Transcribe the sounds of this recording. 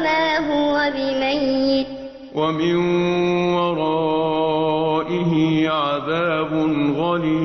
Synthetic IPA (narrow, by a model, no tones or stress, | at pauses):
maːɦʊwabɪmajːɪt | wamɪnwɑɾˤɑː | ʔɪɦɪʕaðaːbʊnɣaliː